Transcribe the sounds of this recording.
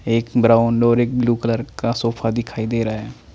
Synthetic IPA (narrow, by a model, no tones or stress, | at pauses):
eːkbɾaːʊnɔːɾeːk̚bluːkələɾkasoːpʰad̪ɪkʰaːid̪eːɾaɛː